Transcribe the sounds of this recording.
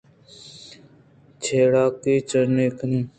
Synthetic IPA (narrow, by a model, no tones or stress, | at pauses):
t͡ʃʰeːɽaːkiːt͡ʃəɾneːknĩː